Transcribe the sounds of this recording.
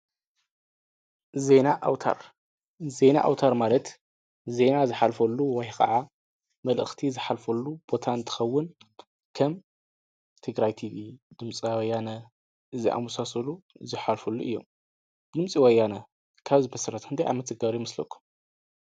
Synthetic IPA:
zenaʔwt̪ʰa̰ɾ | ze̞na̰ʔa̰wt̪ʰaɾmalɐt̪ | ze̞nazɨħalfɐlːuwɔjkɐ̰ʕa | mɐlʔɨxt̪ʰizɨħalfɐlːub̥o̞t̪ʰant̪ʰɨ̥xɐwːʊn | kʰɐm | t̪ʰɨɡɾajt̪ʰivid̪̥ɨmt͡sʼawɐjːanɐ | ʔɨzḭʔa̰musasɐluzɨħalfulːuʔɨjːo̞̰m | d̪ɨmt͡sʼiwɐjːanɐ | kʰaβzɨbɐsɨɾɐt̪kʰɨnt̪ʰajʔa̰βmɐt͡sʼɨɡaɾijmɨslɐ̰kʰːu̥m

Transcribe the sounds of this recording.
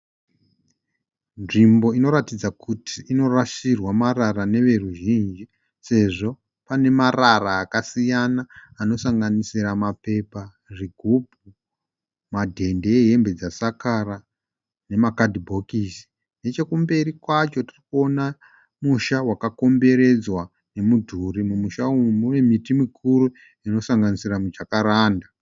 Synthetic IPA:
nʐimbo̞ino̞ɾatid͡zakʰutʰiʔino̞raʃirwamararane̞ʋe̞ruʒind͡ʒi | se̞ʐo̞ | pane̞mararaːkasijanaːno̞saŋɡanisiɾamape̞pa | ʐiɡʱub̚ʱu | madʱe̞nde̞eɦe̞mbe̞d͡zasakaɾa | ne̞makadʱibʱo̞kisi̥ | ne̞t͡ʃe̞kumbe̞ɾikwat͡ʃo̞tirikuo̞na | muʃawakako̞mbe̞ɾe̞d͡zwa | ne̞mudʱurimumuʃamuwemitimikʰuɾu | ino̞saŋɡanisiramud͡ʒakaɾaːnda

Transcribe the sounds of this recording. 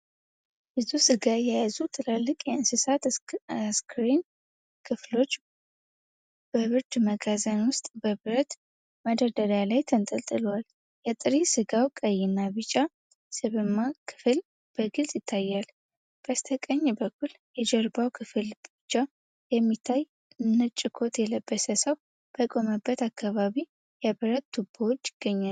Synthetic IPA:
bɨzusɨɡajɛjazut̪ʰɨlalːɨkʼjɛɨnsɨsat̪skʰɾin | kʰɨflo̞t͡ʃː | b̥əβɨɾd̪məɡazənwʊst̪ʼbəβɨɾət̪ | məd̪əd̪əɾalajt̪ʰənt̪ʼəlt̪ʼɨlwal | jɛt̪ʼɨɾisɨɡawkʼəjɪnːaβɨt͡ʃʼa | sɨβɨmːakʰɨ̥fɨl | b̥əɡɨlsʼjɪt̪ʰːajːal | kʼəst̪ʰəkʼəɲːbəkʰːul | jɛd͡ʒɛɾbawkʰɨfɨlbɨt͡ʃʼːa | jɛmːit̪ʰːaj | ɨnːɨt͡ʃʼɪkʰo̞t̪jɛləbːəsəsəw | b̥əkʼoməbːət̪akːaβaβi | jɛβɨɾət̪ːubːowot͡ʃːɪɡ̥ːəɲːal

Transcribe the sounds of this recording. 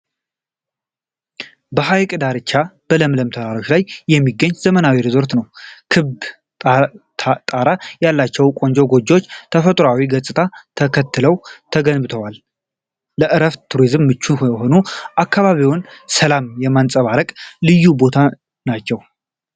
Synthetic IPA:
bəɦajkʼd̪aɾɨt͡ʃːab̥ələmləmt̪ʰəd̪aɾo̞t͡ʃlajːɛmːiɡəɲz̥əmənawiɾizo̞ɾt̪nəwkʰɨb | t̪ʰt̪ʼaɾajalːat͡ʃːɛwkʼo̞nd͡ʒo̞ɡo̞d͡ʒːwo̞t͡ʃːt̪ʰəfət̪ʼɾawiɡəsʼɨt̪ʼʰat̪ʰəkʰət̪ʰːɨləwt̪ʰəɡənbɨt̪ʰəwalː | əʔɨɾəft̪ʰːuɾizɨmːɨt͡ʃːuhɛho̞nuʔakːaβaβiwʊnsəlamjɛmansʼəβaɾəkʼlɨjːubo̞t̪ʰa | nat͡ʃːɛw

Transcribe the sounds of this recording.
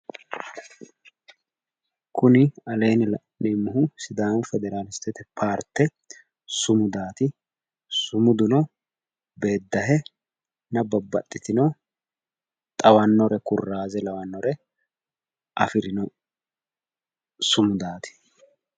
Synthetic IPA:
kʰʊnɪɐleːnɪlɐ | nemːʊɦʊsɪd̪aːnʊfɛd̪ɛɾaːlɪst̪ɛt̪ɛpʰaːɾt̪ːɛ | sʊmʊd̪aːt̪ɪ | sʊmʊd̪ʊnɔ | be̞ːd̪ːɐɦɛ | nɐbɐbːɐt̪ʼːɪt̪ɪnɔ | t̪ʼɐwɐnːɔɾɛkʊrːaːzɛlɐwɐnːɔɾɛ | ʔɐfɪɾɪnɔ | sʊmʊd̪aːt̪ɪ̥

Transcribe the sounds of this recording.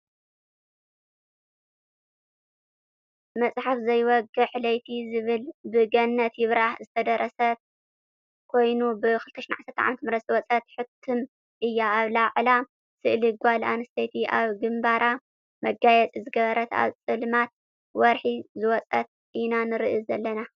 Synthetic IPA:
mɐt͡sʼħafzɐjwɔɡɨħlɐjt̪ʰizɨβɨlbɨɡɐnːɐt̪jɪβɾaħzɨt̪ʰɐd̪ɐɾɐsɐt̪ | kʰo̞jnubɨkɨlɨt̪ʰɐʃnʕasɐɾt̪ʰʕa̰mɐt̪mɨɾɐsʼiwɔt͡sʼɐt̪̚ħɨt̪ʰːɨm | ʔɨjːaːβlaʕɨla | sɨʔliɡʷalanɨst̪ʰejt̪ʰiʔa̰βɡɨmbaɾʔa | mɐɡajɛt͡sʼizɨɡɐβɐɾɐt̪a̰βt͡sʼɨlmat̪̚ | wɔɾħizɨwɔt͡sʼɐt̪̚ʔinanɨɾɨʔɨzɐlːɐna

